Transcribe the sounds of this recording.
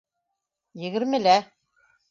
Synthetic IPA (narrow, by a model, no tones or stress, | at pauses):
jɘ̆ɣɘ̆ɾmɘ̆læ